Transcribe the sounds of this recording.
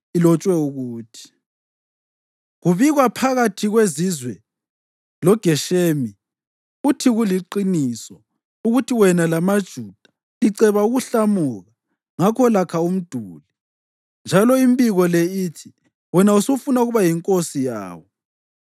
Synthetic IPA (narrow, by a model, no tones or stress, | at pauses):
ilɔt͡ʃʼwɛuɣuːtʰi̥ | ɣuβiɣwapʰaɣatʰiɣwezizwɛ | lɔɡ̥ʱɛʃeːmi | utʰiɣuliǃinisɔ | uɣutʰiwɛnalamad̥ʒ̥ʱud̥ʱḁ | iǀɛβauɣuɬamuɣa | ŋakʰɔlakʰaum̩d̥ʱuːli | nd͡ʒʱalɔimbiɣɔlɛiːtʰi | wɛnausufunauɣuβajiŋkʼosija̰ːwɔ